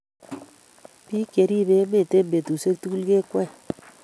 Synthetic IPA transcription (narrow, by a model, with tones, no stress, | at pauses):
pi˦ke˨ɾi˦ɾe˦me˨te˦mbe˨tu˨se˦k̚tu˦ku˦lke˦kwɛ˦˨